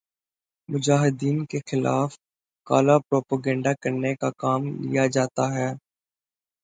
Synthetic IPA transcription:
mʊd͡ʒaːɦɪd̪iːnkexɪla̰ːf | kaːlapɾoːpaɡɛ̃ːɳɖakɐɾnekakaːmlḭjad͡ʒaːt̪aɦɛː

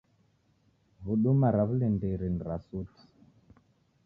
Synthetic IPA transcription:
βuɗumaɾaβulɛndeɾinɾasuti̥

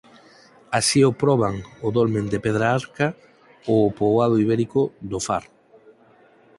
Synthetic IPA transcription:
asiopɾɔβ̞aŋʊðolmẽnd̪epeð̞ɾaaɾka | oːpoað̞ʊiβeɾikʊd̪ʊfa̰ɾ

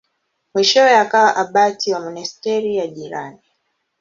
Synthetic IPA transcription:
mwiʃɔwɛakawaʔaɓatiwamɔnɛstɛɾijaʄiɾa̰ni

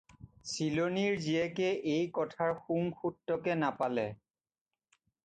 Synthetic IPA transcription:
siloniɹziɛkɛʔejkɔtʰaɹxuŋxutːɔkɛnapalɛ

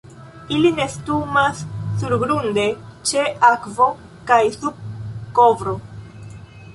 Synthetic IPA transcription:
iline̞stumasːuɾɡɾunde̞t͡ʃe̞akvo̞ | kajsub̚ko̞vɾo̞

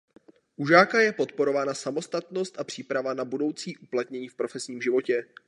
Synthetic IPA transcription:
ʔuʒaːkajɛpo̞t̪po̞ɾo̞vaːnasamo̞st̪at̪no̞st̪ʔapr̥iːpɾavanabudo̞wt͡siːʔuplat̪ɲɛɲiːfpɾo̞fɛsɲiːmʒɪvo̞cɛ

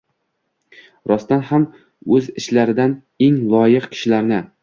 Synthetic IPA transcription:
ɾɒst̪anham | ɵzɪʃlaɾɪd̪an | e̞ŋlˠɒjɪqkʲʰɪ̥ʃɪlaɾnɪ

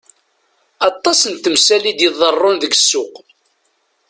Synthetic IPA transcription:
ɑt̪ˤːɑsənt̪əmsælid̪jəðˤərˤːʊnðəɡsːʊq

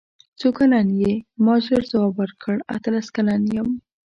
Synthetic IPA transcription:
t͡sokalanjemɑʒoɾzawɑbwəɾkʰəɽa̰t̪alaskalanjəm

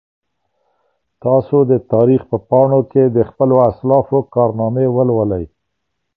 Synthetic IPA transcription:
t̪ɑsod̪ət̪ɑɾixpəpɑɳoked̪əxpəloaslɑfokɑɾnɑmewəlwəlaj

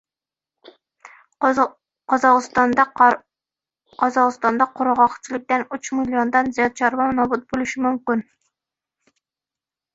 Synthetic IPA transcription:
qɑzɑʁɨst̪ɑnd̪ɑ | qʰɑzɑʁɨst̪ɑnd̪ɑqʰʊɾʁɑqt͡ʃʰilɪk̚ʲt̪ɛnyt͡ʃmiljond̪ɑnzijɑt̪̚t͡ʃʰɑɾbɑmnɑbut̪̚bolˠɪʃɪmumkʲɪn

